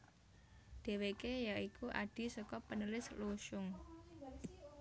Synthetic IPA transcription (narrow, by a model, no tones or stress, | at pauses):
d̥e̤wekejaikuʔa̰ɖ̥i̤sɔkɔpənəlɪsluʃʊŋ